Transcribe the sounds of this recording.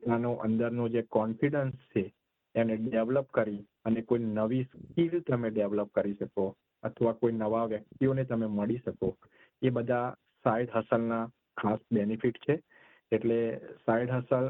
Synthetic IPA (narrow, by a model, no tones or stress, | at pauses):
anoʔə̰nd̪əɾnod͡ʒekɔnfiɖənst͡ʃʰeː | mneɖeʋləpkəɾi | ənekoinəʋiskilt̪əmeɖeʋləp̚kəɾiʃəko | ət̪ʰəʋakoinəʋaʋjək̚t̪ionet̪əmeməɭiʃəko | ebəd̪ʱa | saiɖɦəsəlna | kʰasbenifiʈt͡ʃʰe | eʈlesaiɖɦəsəl